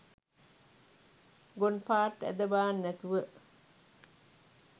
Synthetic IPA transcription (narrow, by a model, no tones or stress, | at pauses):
ɡonpaːɾʈːæ̰d̪ɐbaːnːæt̪uʋəʔ